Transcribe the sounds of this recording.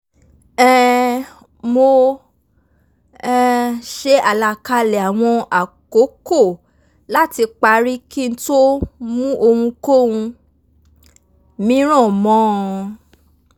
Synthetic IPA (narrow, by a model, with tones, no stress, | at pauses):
ɛ˦˨ | mo˧ | ɛ˧ʃe˦a˦˨la˧ka˧lɛ˨a˨w̃ɔ̃˧a˨ko˨˦ko˦˨ | la˦ti˧k͡pa˧˦ɾi˦ki˦n̩˦to˦mũ˦ʔo˧hũ˧ko˦wũ˧ | mĩ˨˦ɾ̃ɔ̃˦˨mɔ̃˦